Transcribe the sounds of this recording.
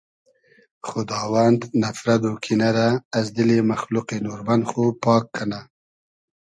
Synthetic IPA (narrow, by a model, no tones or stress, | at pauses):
xʊd̪ɑːwand̪nafɾad̪okʰinaɾaːzd̪ɪlemaxlʊqenuɾband̪xopɑkːana